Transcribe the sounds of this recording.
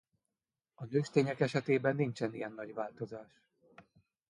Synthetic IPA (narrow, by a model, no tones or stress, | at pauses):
ɒnøːʃt̪eːɲɛkɛʃɛt̪eːbɛnːint͡ʃɛnijɛnːɒɟʋaːlt̪o̞zaːʃ